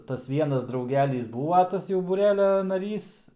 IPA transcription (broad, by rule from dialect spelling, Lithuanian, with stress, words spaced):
tɐs ˈʋʲiɛnɐs drɐʊˈɡʲæːlʲiːs ˈbuːʋɐ ˈtɐs jɛʊ buːˈrʲæːlʲɛ nɐˈrʲiːs